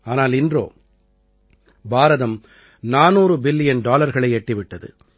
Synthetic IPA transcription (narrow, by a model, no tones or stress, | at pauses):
aːnaːlɪndro̰ː | baːɾɐðɐm | naːnuːɾɯbɪlːɪjɐnɖaːlɐɾɣɐɭɐɪɛʈːɪʋɪʈːɐðɯ̰